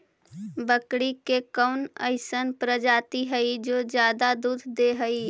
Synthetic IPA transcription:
bəkɽikekəʊnə̰ɪsənpɾəd͡ʒaːt̪iɦəid͡ʒoːd͡ʒjaːd̪ad̪uːd̪ʱd̪eɦəi

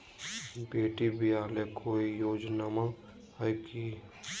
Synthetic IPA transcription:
beːʈibʱijaːlekʰoijoːd͡ʒnamã | həjki

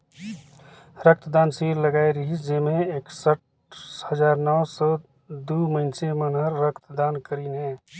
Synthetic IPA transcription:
ɾək̚t̪d̪aːnsiːɾləɡaːjɾəɦid͡ʒemẽeːksəʈ̚ | həd͡ʒaːɾnɔwsɔ | d̪uməɪnsemənɦəɾːəkt̪d̪aːnkəɾinɦɛ

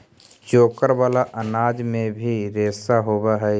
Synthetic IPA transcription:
t͡ʃoːkəɾʋaːlaʔənaːd͡ʒmẽbʱiɾeːsaɦoːwaɦɛ

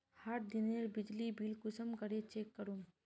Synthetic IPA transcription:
haʈ̚d̪ineɾbɪd͡ʒlibʱilkʊsəmkəɾet͡ʃeːkːəɾum

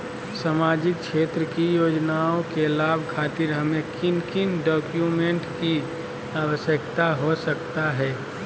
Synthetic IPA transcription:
samaːd͡ʒɪk̚ʃeːt̪ɾəkijoːd͡ʒnaːõkelaːbʱkʰaːt̪ɪɾɦɐmẽkɪnkɪnɖɔːkjumẽɳʈki | aːʋəsjəkt̪aɦosəkt̪aɦɛː

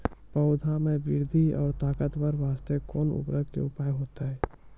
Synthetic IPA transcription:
pəʊd̪ʱamẽbɪɾd̪ʱiɔ̰ːɾt̪aːkət̪ʋəɾʋaːst̪ekɔːnʊ̰pɾəɡ̪kḛʊpaːjɦoːt̪aɦɛː

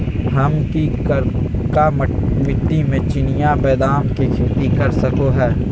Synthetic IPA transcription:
hɐmkikɾkamɪt̪ːimẽt͡ʃɪnɪjabɛːd̪aːnkikʰɪlt̪ikɐɾsɐkoɦɛː

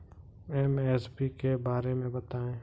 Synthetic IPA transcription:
ɛmɛsbikebaːɾemẽbɐt̪aːẽː

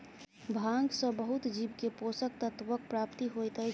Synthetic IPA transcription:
bʱãŋɡsə̃bəɦut̪d͡ʒibkeposək̚t̪ət̪ʋək̚pɾapt̪iɦojt̪ə

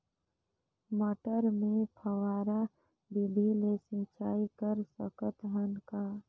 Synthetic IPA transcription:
məʈəɾmẽpʰəwaːɾa | bibʱilesĩt͡ʃaːikəɾsəkət̪ɦənkaː

